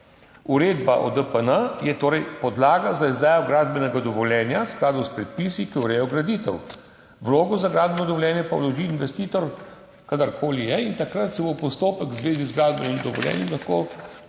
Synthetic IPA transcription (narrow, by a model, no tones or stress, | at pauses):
uɾeːd̪baʔɔ̰d̪əpənəjɛt̪oːɾɛjpɔd̪laːɡazaizd̪aːjɔɡɾaːd̪bɛnɛɡad̪ɔʋɔljɛːnjasklaːd̪ɔspɾɛt̪̚piːsikiuɾɛjɔɡɾad̪it̪ɛw | ʋloːɡɔzaɡɾaːd̪bɛnɔd̪ɔʋɔljɛːnjɛpawlɔʒiːnʋɛst̪iːt̪ɔɾ | kad̪əɾkʰoːlijɛint̪akɾat̪sɛbopɔst̪oːpəkzʋeːzizɡɾaːd̪bɛnimd̪ɔʋɔ̰ljɛ̰ːnjimlaxkoː